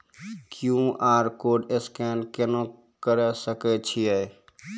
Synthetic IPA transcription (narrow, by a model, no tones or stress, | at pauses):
kjũʔaːɾkoːɖeskɛnkenõ | kəɾɛsəkɛt͡ʃʰijɛj